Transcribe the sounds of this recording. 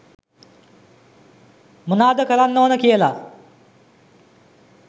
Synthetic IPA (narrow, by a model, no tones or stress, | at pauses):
mənaːd̪əkəlanːoːənəkijəla